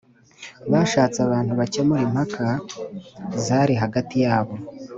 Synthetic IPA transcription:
βaʃaːt͡saβaːn̥huβacemuɾimhakʰa | zaːɾiɦaɡatijaːβo̞

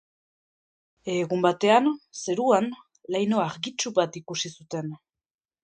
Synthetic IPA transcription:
eɣumbat̪e̞anse̞ɾuan | lajno̞aɾɣit͡ʃuβat̪ikusisut̪e̞n

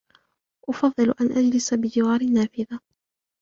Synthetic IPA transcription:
ʔʊfɑðˤːɨlʔanʔad͡ʒlɪsabɪd͡ʒɪwɑːɾɪnːaːfɪða

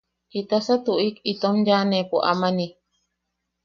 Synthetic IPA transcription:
it̪asat̪uʔikit̪omd͡ʒanẽpoʔa̰mani

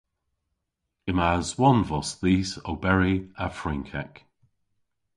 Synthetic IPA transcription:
ɪmazwɔnvɔsðiːsowbɛɹiafɹɪ̃ŋkʰɛk

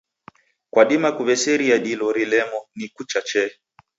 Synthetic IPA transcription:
kwaɗimakuβɛsɛɾiaɗilɔɾilɛmɔnikut͡ʃat͡ʃɛ

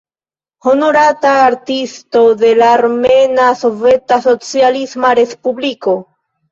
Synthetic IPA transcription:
honoɾat̪aːɾt̪ist̪o̞ðe̞laːɾmenaso̞vet̪aso̞t͡sjalizmaɾespubliko

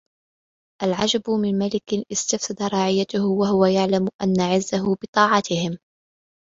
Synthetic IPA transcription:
ʔalʕad͡ʒabʊmɪnmalɪkɪnʔɪst̪afsɑd̪aɾˤɑːʕɪjːat̪ʊhwaɦʊwajaʕlamʊʔanːaʕɪzːaɦʊbɨt̪ˤɑːʕɑt̪ɪhɪm

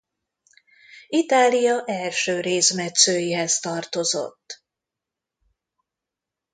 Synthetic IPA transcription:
it̪aːlijɒʔɛlʃøːɾeːsmɛt̪søːjiɦɛst̪ɒrt̪o̞zo̞̰t̪ː

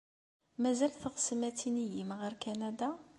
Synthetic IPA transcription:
mæzælθəʁsəmæt̪inijimʁəɾkænæd̪a

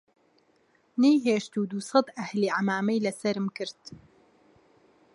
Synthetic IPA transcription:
nejɦeːʃt̪ud̪uːsɑd̪ʔɐhliːʕamaːmɛjlɐsɐɾɨmkɨɾd̪̥

